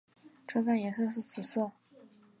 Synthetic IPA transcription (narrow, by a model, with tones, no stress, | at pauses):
ʈ͡ʂʰɤ˥˧t͡sa˥˩njɛ˨˧˥s̬ɤ˥˧ʂ̬ɻ̩˥˩t͡s̩ʰ˨˩sɤ˥˩